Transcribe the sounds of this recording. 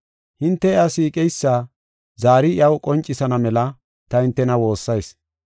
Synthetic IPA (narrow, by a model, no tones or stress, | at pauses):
hɪnt̪ːɛɪasiːkʼɛjsːaː | zaːɾɪɪɐwkʼɔnt͡ʃʼːɪsɐnɐmɛlɐ | t̪ɐhɪnt̪ːɛnɐwo̞ːsːɐjs